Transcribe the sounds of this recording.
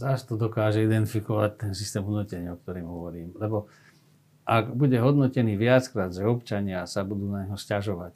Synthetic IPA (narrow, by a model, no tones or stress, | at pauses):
zast̪ɔd̪ɔkaːʒɛid̪ɛnt̪ifikɔʋac̚t̪ɛnsist̪ɛːmɦudnucɛɲɪaɔk̚t̪ɔɾiːmɦɔʋɔɾiːmlɛbɔ | ʔaɡbuɟɛɦɔd̪nɔcɛniːʋɪat͡skɾaːd̪ʒɛɔpt͡ʃaɲɪasabud̪uːnaɲɦɔscaʒɔʋac